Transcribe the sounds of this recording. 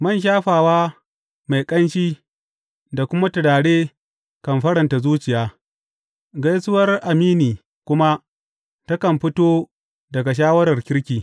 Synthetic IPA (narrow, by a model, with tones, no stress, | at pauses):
mɐ˦˨nʃ̬aː˦ɸaː˨waː˦ | ma˨jkʼɐ˦nʃiː˦ | da˨kʷʊ˦ma˦tʊ˨ɽaː˨ɽeː˦ | kɐ˨mɸɐ˦ɽɐ˨nta˨zuː˦t͡ʃɪ˨jaː˦ | ɡɐ˦jsʊ˦wɐ˦rʔa˨miː˦niː˨ | kʷʊ˦ma˦ | tɐ˦kɐ˨mɸɪ˦toː˦ | dɐ˨ɡa˨ʃ̬aː˦wɐ˦ɾɐ˨rkʲɪ˦ɾkʲiː˨